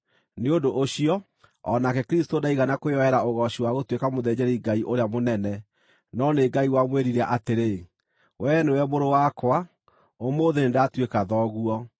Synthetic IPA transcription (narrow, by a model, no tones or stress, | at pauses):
neondoʔoɕiɔ | ɔ̰nakɛkɾistondaiɣanakojɔɛɾaoɣɔɕiwaɣotwekamoðɛd͡ʑɛɾiɡaiʔoɾeamonɛnɛ | nɔneɡaiwamweɾiɾɛʔateɾe | wʔɛnewɛmoɾowakwa | omoðenendatwekaðɔɣuɔ